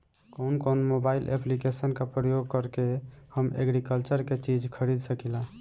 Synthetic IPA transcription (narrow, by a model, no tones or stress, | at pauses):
koʊnkoʊnmobailʔḛplikesənkapɾəjoɡ̚kəɾkehəmḛɡɾikəlt͡ʃəɾket͡ʃid͡ʒkʰəɾid̪ʱsəkila